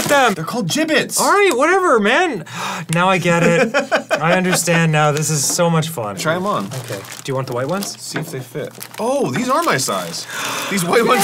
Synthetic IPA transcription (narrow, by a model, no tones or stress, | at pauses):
t̪̚ðɨ̃mðə˞kʰɔlˠd̚d͡ʒɪbɪtsɔllˠɹaɪt̚wʌɾɛvə˞mæ̃nnaʊaɪɡɛɾɪt̚aɪʌ̃ndə˞stæ̃nːaʊðɪsɨz̥soʊmʌt͡ʃfʌ̰̃nʰɹ̥aɪə̃mə̃noʊkʰeɪd̥ɨjɨwɑ̃nðəwaɪt̚wʌ̃nz̥siɨfðeɪfɪ̰t̚ | oʊðizə˞maɪsa̰ɪz̥ðizwaɪt̚wʌ̃nz